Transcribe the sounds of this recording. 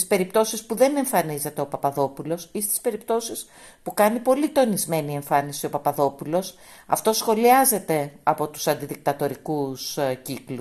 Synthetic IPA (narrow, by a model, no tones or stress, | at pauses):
ispe̞ɾipt̪o̞sispuðe̞ne̞ɱfɐnize̞t̪e̞o̞pɐpɐðo̞pulo̞sist̪i̥spe̞ɾipt̪o̞sis | pukɐnipo̞lit̪o̞nizme̞nie̞ɱfɐnisio̞pɐpɐðo̞pulo̞s | ɐ̰ft̪o̞sxo̞liɐze̞t̪e̞ɐpo̞t̪u̥sɐnd̪iðik̚t̪ɐt̪o̞ɾikusciklu